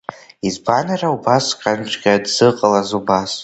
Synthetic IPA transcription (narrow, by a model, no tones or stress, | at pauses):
izbanaraubaskʼant͡ʃɡʲadz̥ɨqʼalazubas